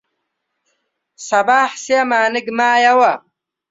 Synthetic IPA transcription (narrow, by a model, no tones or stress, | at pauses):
sɐbaːħseamaːniɡmaːjɐwɐ